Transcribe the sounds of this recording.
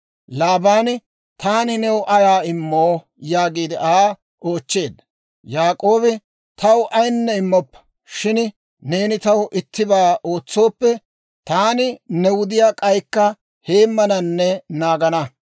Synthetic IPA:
laːbaːn | t̪aːnɪnɛwʔɐjaːɪmːoː | jaːɡiːd̪ɪʔaː | ʔo̞ːt͡ʃːe̞ːd̪ | jaːkʼo̞ːbɪ | t̪ɐwʔɐjnːɛɪmːɔpːɐ̥ | ʃɪn | ne̞ːnɪt̪ɐwʊʔɪt̪ːɪbaːʔo̞ːt͡sːo̞ːpːɛ | t̪aːnɪnɛwʊd̪ɪjaːkʼɐjkːɐ | he̞ːmːɐnɐnːɛnaːɡɐnɐ

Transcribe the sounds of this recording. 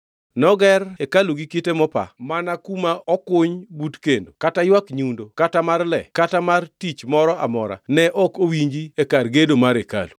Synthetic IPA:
nɔɡɛrekaluɡikitemɔpa̰manakumaʔɔkʊɲbutkendokatajwakɲundokatamarlɛ̰katamartit͡ʃmɔɾɔʔa̰mɔɾa̰nɛʔɔkowiɲd͡ʒiekarɡedomaɾeka̰lu

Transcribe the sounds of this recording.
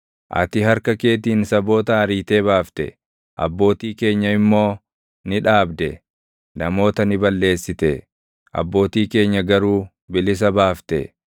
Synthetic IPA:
ʔɐ̰t̪ɪɦɐɾkɐke̞ːt̪̬iːnsɐbo̞ːt̪ɐɐɾiːt̪eːbaːft̪ɛ̰ | ʔɐ̰bːo̞ːt̪iːke̞ːɲːɐɪmːo̞ː | nɪᶑaːbd̪ɛ | nɐmo̞ːt̪ɐnɪbɐlːe̞ːsːɪt̪ɛ | ʔɐ̰bːo̞ːt̪iːke̞ːɲːɐɡɐɾuː | bɪlɪs̬ɐbaːft̪ɛ̰

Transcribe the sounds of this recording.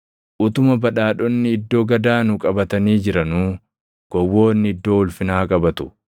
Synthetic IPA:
ʔʊt̪ʊmɐbɐᶑaːᶑɔnːɪɪd̪ːo̞ːɡɐd̪aːnʊkʼɐbɐt̪ɐniːd͡ʒɪɾɐnuː | ɡ̥ɔwːo̞ːnːɪɪd̪ːo̞ːʊlfɪnaːkʼɐbɐt̪ʊ̥

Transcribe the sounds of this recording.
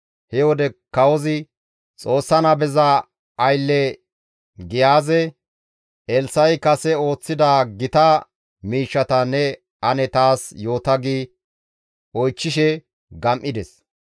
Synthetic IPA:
hɛwɔd̪ɛkɐwɔzɪ | t͡sʼo̞ːsːɐnɐbɛzɐ | ɐjlːɛ | ɡɪjaːzɛ | ʔɛlsɐjkɐsɛo̞ːt͡sːɪd̪aːɡɪt̪ɐ | miːʃːɐt̪ɐnɛ | ɐnɛt̪aːsjo̞ːt̪ɐɡiː | ɔjt͡ʃːɪʃɛ | ɡɐmʔɪd̪ɛs

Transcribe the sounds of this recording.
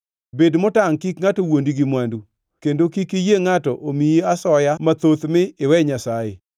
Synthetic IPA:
bedmʊtaŋkikŋatowondiɡimwandu | kendokikɪjeŋatɔʔomiiasɔjamat̪ot̪mɪɪwɛɲasajḛ

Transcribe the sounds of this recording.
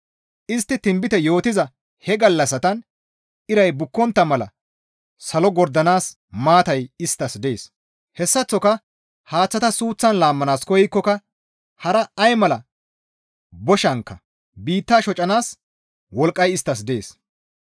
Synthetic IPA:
ʔɪst̪ːɪt̪ɪmbɪt̪ɛjo̞ːt̪ɪzɐ | hɛɡɐlːɐsɐt̪ɐn | ɪɾɐjbʊkːɔnt̪ːɐmɐlɐ̰ | sɐlɔɡɔɾd̪ɐnaːs | maːt̪ɐjɪst̪ːɐsd̪eːs | hɛsːɐt͡sːɔkɐ | haːt͡sːɐt̪ɐsuːt͡sːɐnlaːmːɐnaːskɔjɪkːɔkɐ | hɐɾɐːjmɐlɐ | bɔʃɐŋkːɐ | biːt̪ːaːʃɔt͡ʃʼɐnaːs | wɔlkʼːɐjɪst̪ːɐs̬d̪e̞̰ːs

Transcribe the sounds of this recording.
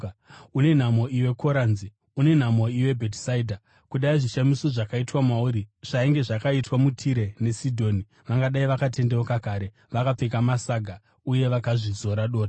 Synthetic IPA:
une̞n̤amo̞ʔiwe̞kʰo̞ɾaːnzi | une̞n̤amo̞iwe̞bʱetsaidʱa | kuɗaiʐiʃamiso̞ʐakaitwamwauɾiʐ̥aiŋɡe̞ʐakaitwamutʰiɾe̞ne̞sidʱo̞ːni | ʋaŋɡaɗaiʋakate̞nde̞okakaːɾe̞ | ʋakap͡fekamasaɡʱa | uje̞ʋakaʐizo̞ɾaɗo̞ːra

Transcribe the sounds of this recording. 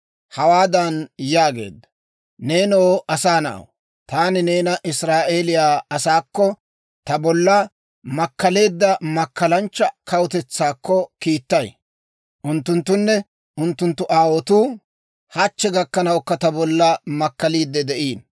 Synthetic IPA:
hɐwaːd̪ɐnjaːɡe̞̰ːd̪ːɐ | ne̞ːnoːʔɐsaːnɐ̰ʔɐ̰w | t̪aːnɪneːnɐʔɪsɾaːʔe̞ːlɪjaːɐsaːkːɔ | t̪ɐbɔlːɐ | mɐkːɐle̞ːd̪ːɐmɐkːɐlɐnt͡ʃːɐkɐwʊt̪ɛt͡sːaːkːɔkiːt̪ːɐj | ʔʊnt̪ːʊnt̪ːʊnːɛ | ʔʊnt̪ːʊnt̪ːʊʔaːwɔt̪uː | hɐt͡ʃːɛɡɐkːɐnɐwkːɐt̪ɐbɔlːɐmɐkːɐliːd̪ːɛd̪ɛʔiːn

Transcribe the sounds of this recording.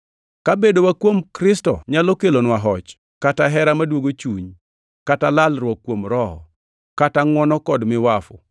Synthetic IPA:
kabedowakwomkɾɪstɔ̰ɲalokelonwaɦɔt͡ʃ | kataɦɛɾamadwoɡot͡ʃuɲ | katalalɾwɔkːwomɾɔɔ̰ | kataŋwɔnɔkɔdmɪwafʊ̰

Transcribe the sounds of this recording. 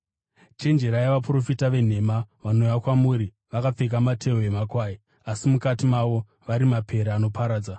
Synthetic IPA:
t͡ʃe̞nd͡ʒe̞ɾajaʋapro̞fitaʋe̞n̤e̞maʋano̞jakwamuɾi | ʋakap͡fe̞k̬amatʰe̞oemakwaːji | asimukatimaʋo̞ | ʋaɾimapʰe̞ɾaːno̞pʰaɾaːd͡za

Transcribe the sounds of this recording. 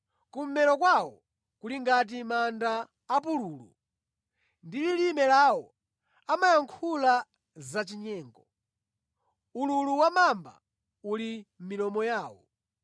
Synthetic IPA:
kum̩mɛɾɔkwawɔ̰ | kuliŋɡat̬imandaː | puluːlṵ | ndililimɛlawɔ | amajaŋkʰula | zat͡ʃiɲɛːŋɡɔ | ululuwamamba̰ | ulim̩milɔmɔjaːwɔ̰

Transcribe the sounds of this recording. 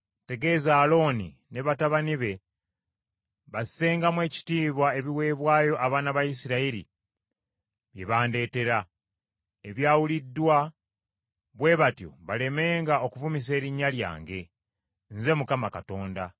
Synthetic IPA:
te̞ɡe̞zaːlo̞nḭ | ne̞βataβaniβe̞ | βase̞ːŋɡamwe̞ːci̥tiːβwae̞βiwe̞ːβwaːjo̞ʔaβaːnaβajis̬iɾaiɾḭ | βje̞βaːnde̞ːte̞ɾa | eβjaːwulidːwa | βwe̞βatjo̞̰βale̞me̞ːŋɡao̞kuvumis̬e̞ːɾiɲːalja̰ːŋɡe̞ | nze̞mukamakato̞ːnda

